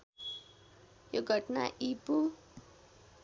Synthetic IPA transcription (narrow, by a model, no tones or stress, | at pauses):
joɡʱʌʈna̰ʔipu